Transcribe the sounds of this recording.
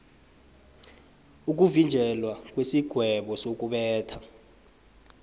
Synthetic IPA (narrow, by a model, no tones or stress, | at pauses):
uk̬ʼuvind͡ʒʱɛlwak̬ʼwesiɡ̥ʱwɛɓɔsok̬ʼuɓɛːtʰḁ